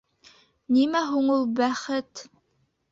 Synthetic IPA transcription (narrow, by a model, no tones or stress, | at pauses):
nimæɦuɴulˠbæχɘt̪